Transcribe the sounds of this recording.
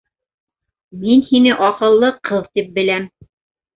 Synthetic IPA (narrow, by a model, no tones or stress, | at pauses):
minhinɘʔɒqɤ̆lˠːɤqʰɤðt̪ip̚bɘ̆læm